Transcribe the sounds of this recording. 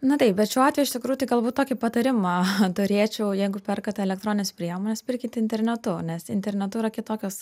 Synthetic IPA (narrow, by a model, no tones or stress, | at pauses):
nʊt̪ɐɪpbʲɛt̪ʃʲuːɑːt̪ʲʋʲɛjʊɪʃʲt̪ʲɪkɾuːjʊt̪ɐɪɡɐlˠbuːt̪t̪oːkʲɪpɐt̪ɐɾʲɪmɐt̪ʊɾʲiɛt͡ʃʲɛʊjɛɪɡʊpʲɛrkɐt̪ʲɛlʲɛkt̪ɾoːnʲɪnʲɛspʲɾʲiɛmoːnʲɛspʲɪɾʲkʲɪt̪ʲɪnʲt̪ʲɛɾʲnʲɛt̪ʊnʲɛsɪ̰nʲt̪ʲɛɾʲnʲɛt̪ʊɪɾɐkʲɪt̪oːkʲoːs